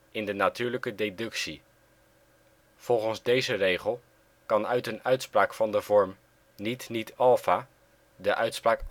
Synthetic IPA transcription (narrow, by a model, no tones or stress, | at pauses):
ɪndənatyːɹləkədedɵksi | v̥ɔlˠχənzdejzərejχəlˠ | kɑnœɥtənœɥtspraːkfɑndəvɔɹm | nitnitɑlˠfaː | dəʔœɥtspraːk